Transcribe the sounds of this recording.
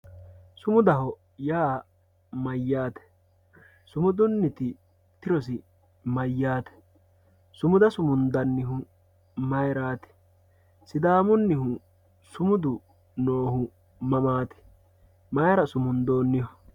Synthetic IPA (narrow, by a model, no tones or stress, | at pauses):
sʊmʊd̪ɐɦɔ | jaː | mɐjːaːt̪ɛ̥ | sʊmʊd̪ʊnːɪt̪ɪ | t̪ɪɾɔs̬ɪ | mɐjːaːt̪ɛ̥ | sʊmʊd̪ɐsʊmʊnd̪ɐnːɪɦʊ | mɐjɾaːt̪ɛ̥ | sɪd̪aːmʊnːɪhʊ | sʊmʊd̪ʊ | noːhʊ | mɐmaːt̪ɛ̥ | mɐjɾɐsʊmʊnd̪o̞ːnːɪhɔ